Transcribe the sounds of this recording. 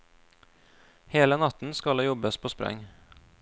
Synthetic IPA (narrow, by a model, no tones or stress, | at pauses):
heːlənɑt̪n̩skɑleːjɔbəspʰoːspɾɛ̰ŋ